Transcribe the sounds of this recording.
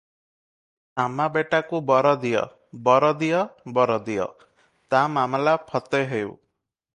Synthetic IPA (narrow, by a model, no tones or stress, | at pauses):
amabeʈakubɔɾɔd̪ijɔ̰ | bɔɾɔd̪ijɔbɔɾɔd̪ijɔ̰ | t̪amamlapʰɔt̪ɔɦew